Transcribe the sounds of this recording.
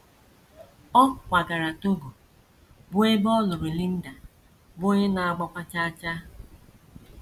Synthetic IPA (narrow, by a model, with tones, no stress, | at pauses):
ɔ˦˨kʷa˨ɡa˨ɾa˨to˦ɡu˨ | bʊ˦e˦bɔ˦lʊ˨ɾʊ˨li˦n̩˦da˨ | bʊ˦ɲɪ˦na˨a˨ɡ͡bɔ˦kʷa˦t͡ʃa˦a˦t͡ʃa˦